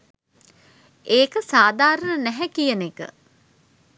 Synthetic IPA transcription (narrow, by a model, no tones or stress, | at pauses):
eːkəsaːd̪aːɾənənæɦɛkijənekə̰